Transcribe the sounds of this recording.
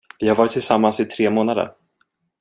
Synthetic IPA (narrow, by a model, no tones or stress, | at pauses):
vɪhaɾvɑːɾɪt̪ʰːɪlsamːansɪt̪ʰɾeːmoːnad̪ə̰ɾ